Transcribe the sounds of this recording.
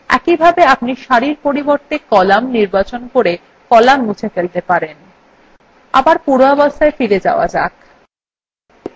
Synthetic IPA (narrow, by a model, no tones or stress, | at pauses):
ɛ̰kibʱabeapniʃaɾiɾpoɾiboɾt̪ekɔlamniɾbat͡ɕonkoɾe | kɔlamːut͡ɕʰefelt̪epaɾen | a̰baɾpuɾoabast̪aefiɾed͡ʑa̰oa̰d͡ʑak